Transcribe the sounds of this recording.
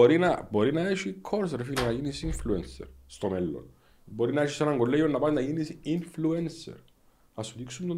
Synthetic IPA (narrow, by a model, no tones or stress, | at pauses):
oɾinɐboɾinɐeʃikʰːoɾsɾefilinɐʝinisiɱfluensḛɾst̪omelːo̰n | boɾinɐeʃisɐnɐŋɡolːejonːɐpɐnnɐʝinisinfluensḛɾ | ɐsut̪iksumt̪o